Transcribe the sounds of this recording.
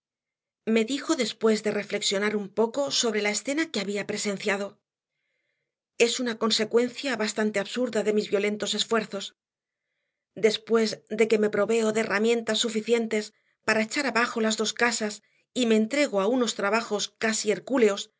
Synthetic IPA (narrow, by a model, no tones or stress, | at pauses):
me̞ðixo̞ðe̞spwe̞zðe̞re̞fle̞ksjo̞naɾumpo̞ko̞so̞β̞ɾe̞laesθe̞nake̞aβiapɾe̞se̞n̟θjað̞o̞ | e̞sunako̞nse̞kwe̞nθjaβast̪ant̪e̞aβsuɾðaðe̞mizβjo̞le̞nt̪o̞se̞sfwe̞ɾθo̞s | d̪e̞spwe̞zd̪e̞ke̞me̞pɾo̞βe̞o̞ðeːramjẽ̞nt̪asːufiθje̞nt̪e̞s | paɾaet͡ʃaɾaβaxo̞lazðoskasas | ime̞ːnt̪ɾe̞ɣ̞o̞auno̞st̪ɾaβaxo̞skasieɾkule̞o̞s